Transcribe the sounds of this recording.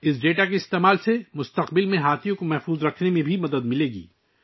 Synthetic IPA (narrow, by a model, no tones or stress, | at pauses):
ɪs̬ɖeːʈakeɪst̪eːmaːlsemʊst̪ɐqbɪlmẽɦaːt̪ʰijõkomɛɦfuːzɾɐkʰnemẽbʱimɐd̪əd̪mɪleːɡḭː